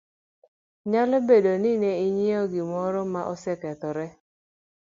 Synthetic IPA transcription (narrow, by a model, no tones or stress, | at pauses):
ɲalɔbedonɪnɛiɲiɔɡɪmɔɾɔmaʔɔsɛkɛt̪ɔɾɛ